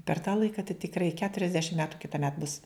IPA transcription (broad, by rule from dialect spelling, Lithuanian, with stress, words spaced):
pʲɛr tɑː ˈlˠɐɪkɐ tɐɪ tʲɪkˈrɐɪ kʲɛtʊrʲɛzʲˈdʲæːʃʲɪm ˈmʲæːtʊ kʲɪtɐˈmʲɛt bʊs